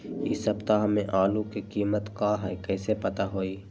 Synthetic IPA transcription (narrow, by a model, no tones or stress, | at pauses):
ɪsɐbt̪aɦmẽʔaːlukikiːmət̪kaːɦɛkɛːsepɐt̪aɦoːiː